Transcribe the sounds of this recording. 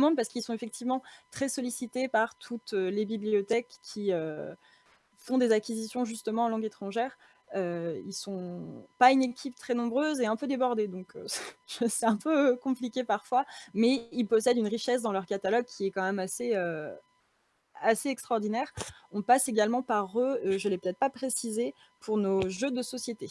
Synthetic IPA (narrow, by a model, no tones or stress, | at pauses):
mɑ̃paʁskilsɔ̃efɛk̚t̪ʰivmɑ̃t̪χɛsɔlisit̪epaʁt̪ʰut̪ølebibliot̪ɛkʰʲːiø | fɔ̃d̪ezakʲizisjɔ̃ʒyst̪əmɑ̃ɑ̃lɑ̃ɡet̪χɑ̃ʒɛʁ | øḭlsɔ̃paynekʲʰipt̪χɛnɔ̃bʁøzeɛ̃pød̪ebɔʁd̪ed̪ɔ̃køʒ̥əsɛɛ̃pøkɔ̃plikʲepaʁfwamɛilpɔsɛd̪ynʁiʃɛs̬d̪ɑ̃lœʁkat̪alɔɡ̚kʲiɛkɑ̃mɛmaseø | aseɛkst̪χɔʁd̪inɛːʁɔ̃paseɡalmɑ̃paʁøøʒəlɛpø̥t̪ɛt̪χpapχesize | pʰuʁnoʒød̪əsɔsjet̪e